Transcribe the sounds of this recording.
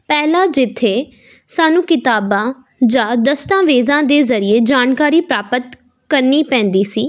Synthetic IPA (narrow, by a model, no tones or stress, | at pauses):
pɛːlaːd͡ʒɪt̪ʰːeː | saːnũːkɪt̪aːbãː | d͡ʒãːd̪əst̪ãːʋeːzãːd̪eːzəɾɪeːd͡ʒaːnkaːɾiːpɾaːpət̪ | kəɾniːpɛ̃ːnd̪iːsiː